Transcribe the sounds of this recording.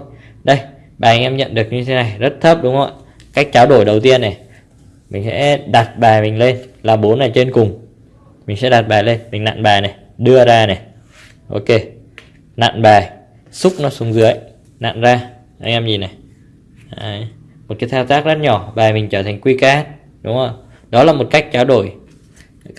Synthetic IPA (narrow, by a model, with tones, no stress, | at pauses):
ɗə˧j | ɓaː˨˩ʔa˧ŋ̟ʔɛ˧mɲə̰˧˨nɗɨ˨˩ək̚ɲɨ˧t̪ʰe˨˦na˨˩jzə˦˥t̚t̪ʰə˦˥p̚ɗʊ˨˦ŋ͡mho̰˧˨j | kaː˦˥jk̟̚t͡ɕaː˨˦wɗo˧˩jɗə˨˩wt̪i˧ənːɛ˨˩ | mï˨˩ŋ̟sɛ̰˧˥ɗa˨˩t̚ɓaː˨˩jmï˨˩ŋ̟le˧nlaː˨˩ɓo˨˦nːaː˨˩jt͡ɕe˧nkʊ˨˩ŋ͡m | mi˨˩ŋ̟sɛ̰˧˥ɗa˨˩t̚ɓaː˨˩jle˧nmï˨˩ŋ̟na̰ː˧˨nɓaː˨˩jnɛ˨˩ | ɗɨ˧əzaː˧nɛ˨˩ | ʔo̰˧wke˧˩ | na̰ː˧˨nɓaː˨˩j | sʊ˦˥k͡p̚nɔ˨˦sʊ˨˦ŋ͡mzɨ˨˦əj | na̰ː˧˨nzaː˧ | ʔa˧ŋ̟ʔɛ˧mzi˨˩na˨˩ | ʔaaː˧˩j | mo˨˩t̚kaː˨˦jt̪ʰaː˧wt̪aː˦˥k̚zə˦˥t̚ɲɔ˧˩ɓaː˨˩jmï˨˩ŋ̟t͡ɕəː˧˩t̪ʰa˨˩ŋ̟kwi˧kaː˦˥t̚ | ɗʊ˨˦ŋ͡mo˧˩j | ɗɔ˨˦laː˨˩mo˨˩t̚ka˦˥jk̟̚t͡ɕaː˨˦wɗo˧˩j